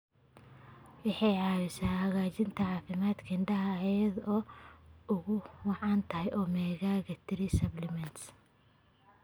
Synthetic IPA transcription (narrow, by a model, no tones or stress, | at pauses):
wɪħɑjʕɑːwɪsaːhɐɣaːt͡ʃɪnt̪ʰɐʕɑːfɪmaːd̪kʰɐɪnɖɐɦɐɛɛd̪ɔːʊɣʊwɑʕɑːnt̪ʰɐɦɛjʔɔːmɛːɣaːɣɐt̪ʰɪɾɪsɐblɪmɛns